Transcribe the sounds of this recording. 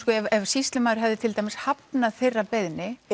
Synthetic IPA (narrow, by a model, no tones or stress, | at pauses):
kɔɛvɛvsist̪lʏmaːwɾɪɦavðɪt̪ʰɪlt̪aːjmɪshapnaðθejrːapeðnɪ